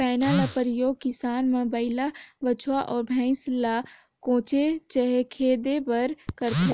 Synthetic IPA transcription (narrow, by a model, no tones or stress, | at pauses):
aːnalapəɾɪjoːɡ̚kɪsaːnmɐ̃bəɪlaʋət͡ʃʰwaʔɔːɾbʱɛ̃ːsla | kõːt͡ʃet͡ʃəɦekʰeːd̪ebɐɾkəɾt̪e